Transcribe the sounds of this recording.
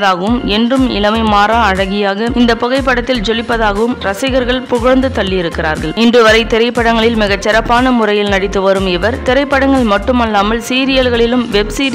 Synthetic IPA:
ðaːɣɐʋɯmɛndrɯmɪ̰lɐmɐɪmaːɾaːɐɻɐɣɪjaːɣɐɪnd̪ɐpɔɣɐɪpːɐɽɐt̪ːɪld͡ʒɔlɪpːɐðaːɣɐʋɯmɾɐsɪɣɐɾɣɐɭpʊɣɐnd̪ɯt̪ɐɭːɪjɪɾɯkːɪra̰ːɾɣɐɭɪndrɯʋɐɾɐɪt̪ɪɾɐɪpːɐɽɐŋɡɐɭɪlmɪɣɐt͡ʃːɪɾɐpːaːnɐmʊrɐjɪlnɐɽɪt̪ːɯʋɐɾɯmɪʋɐɾt̪ɪɾɐɪpːɐɽɐŋɡɐɭmɐʈːɯmɐlːaːmɐlsiːɾɪjɐlɣɐɭɪlɯmʋɛbsiːɾ

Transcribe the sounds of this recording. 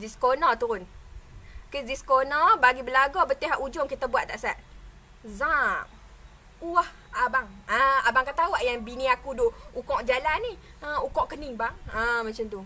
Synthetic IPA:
diskonɔt̪uɾʊn | kəsdiskonɔbaɡibəlaɡɔbət̪eɦaʔud͡ʒʊŋkit̪abuwat̪ʔt̪aʔsaʔ | zã | uah | abaŋəabaŋkat̪awaʔjaŋbiniakudʊukɔʔd͡ʒalaniəukɔʔkəniŋbaŋəmat͡ʃant̪u

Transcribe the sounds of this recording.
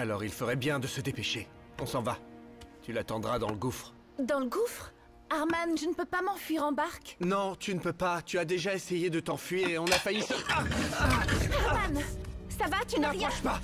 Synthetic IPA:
alɔʁilfəʁɛbjɛ̃d̪əsəd̪epeʃe | ɔ̃sɑ̃vat̪ylat̪ɑ̃d̪ʁad̪ɑ̃ləɡufχ | d̪ɑ̃ləɡufχ | aʁmanʒənəpøpamɑ̃fɥiʁɑ̃baʁknɔ̃t̪ynəpøpat̪yad̪eʒaesejed̪ət̪ɑ̃fɥiʁeɔ̃nafajisəta | aʁmansavat̪yaʁjɔ̃ʃpa

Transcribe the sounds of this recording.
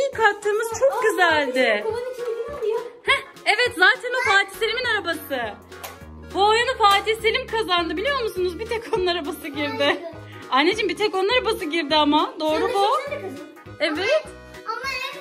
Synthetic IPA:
ikʰak̚t̪ʰːɯːmɯz̥t͡ʃʰo̞k̚ɡyzælʲd̪ɪ | hɛ | evɛt̪zaːt̪ʰænopʰaːt̪ʰi̥selʲiminaɾabasɯ | buojunupaːt̪ʰiselʲimkʰazand̪ɯbilʲijo̞ɾmusunuzbit̪ʰɛkʰonaɾabasɯɟiɾd̪ɪ | anːed͡ʒimbit̪ʰɛkonaɾabasɯɟiɾd̪iamad̪o̞ːɾubu | ɛvɛ

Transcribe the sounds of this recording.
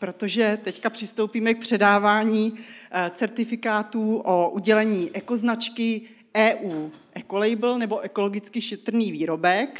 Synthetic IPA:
pɾo̞t̪o̞ʒɛt̪ɛckapr̥ɪst̪o̞wpiːmɛk̚pr̥ɛdaːvaːɲiːt͡sɛɾt̪ɪfɪkaːt̪uːʔoʔuɟɛlɛɲiːʔɛko̞znat͡ʃkɪ | ʔɛːʔuːʔɛko̞lɛjbl̩nɛbo̞ʔɛko̞lo̞ɡɪt͡skɪʃɛt̪r̩niːviːɾo̞bɛk

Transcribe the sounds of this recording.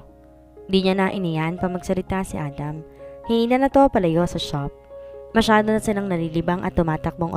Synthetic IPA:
nd̪iɲanɐʔɪnijanpɐmɐɡ̚sɐlɪt̪asɪʔaːd̪ɐmhɪiːnɐnɐt̪o̞pɐlɐjosɐʃap̚mɐʃaːd̪onɐsɪlaŋnɐliːlɪbaŋʔɐ̰t̪ːʊmaːt̪ɐk̚boŋʔo

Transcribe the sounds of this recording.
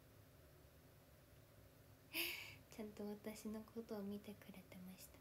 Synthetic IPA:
t͡ɕãnt̪o̞βat̪aɕino̞kʰo̞t̪o̞ːmʲit̪e̞kɯ̟ɾet̪emaɕi̥t̪ḁ

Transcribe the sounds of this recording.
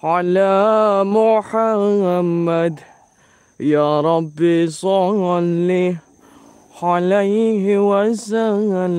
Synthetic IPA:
ʕalamʊħaamːad̪ | jaːɾˤɑbːisˤɑɣali | ʕalajhwazaɣa

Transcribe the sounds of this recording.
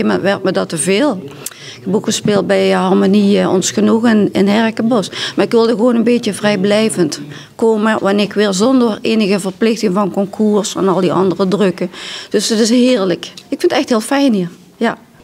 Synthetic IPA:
mɛntʋɛrt̚mɛdɑtəveːlˠ | kboɣəspɪːlˠt̚bɛjəɦɑrmoniəɔ̰nsxənuɣənɪnɦɛrkəbɔsmaːɪkʋɪlˠdəxʋoːnənbeːtəvrɛjblɛjvənt | koːməʋɑnɪːɪkʋɪːlˠzɔndəreːnəɣəvərplɪxtɪŋvɑnkɔŋkʰuːrsɛnɑlˠdiʔɑ̰ndərədrɵkəd̥øsdɑtɪsɦɪːɹləkɪkfɪntɛxtɦɪːlˠfɛjnhiːr | ja

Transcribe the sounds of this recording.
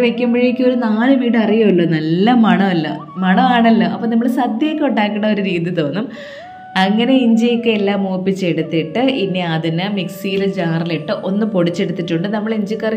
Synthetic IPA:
ʋekʲːɐmbiɻijikʲːuoɾunaːlɨʋiːɽɨɐrijɐuɭːonɐlːɐmɐɳɐɐlːɐ̰mɐɳɐaːɳɐlːɐɐpːoːnɐmːɐɭsɐd̪jɐkʲːuɳɖaːkːɐɳːɐo̞ɾuɾiːðjiɨt̪o̞ːnːum | ɐŋːɐne̞iɲd͡ʑijikːɨelːaːmoːpːit͡ɕːeɽut̪ːiʈːɨinːeɐðinɨmiksiːlɨd͡ʑaːriliʈːɨʔo̞nːɨpo̞ɽit͡ɕːe̞ɽut̪ːiʈːuɳɖɨnɐmːɐɭiɲd͡ʑikːɐr

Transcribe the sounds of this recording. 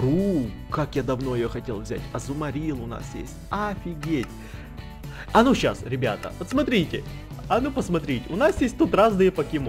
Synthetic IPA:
ɾu | kakjad̪ɐvno̞ɪjoxɐtʲelˠvzʲæ̰tʲɐzʊmɐɾʲilˠʊna̰sjḛsʲtʲafʲɪɡʲetʲ | ɐnuɕːa̰sɾʲɪbʲa̰t̪ə̰ot̪smɐt̪ɾʲitʲɪ | ɐnupəsmɐt̪ɾʲitʲɪʊnasjesʲt̚ʲt̪ut̪raznɨjəpəkʲɪm

